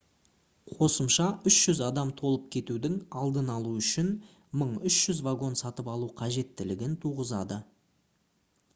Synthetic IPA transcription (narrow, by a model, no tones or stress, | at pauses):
qʰo̞səmʃɑʔʏʃʒ̥ʏzɑd̪ɑmt̪ʰo̞lˠəp̚kʲʰe̞t̪ud̪ɪŋɑlˠd̪ənɑlˠuʏʃɪn | məɴʏʃʒ̥ʏzvaɡo̞nsɑt̪əpɑlˠuqʰɑʒe̞t̪ːɪlɪɡʲɪnt̪ʰuʁəzɑ̰d̪ə